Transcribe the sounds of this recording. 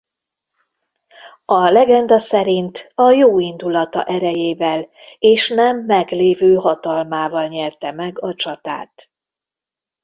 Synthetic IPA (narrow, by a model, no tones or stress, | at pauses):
ɒlɛɡɛnd̪ɒsɛɾint̪ɒjoːind̪ulɒt̪ɒ̰ʔɛɾɛjeːvɛl | eːʃnɛmːɛɡleːvøːɦɒt̪ɒlmaːvɒlɲɛrt̪ɛmɛɡɒt͡ʃɒt̪a̰ːt̪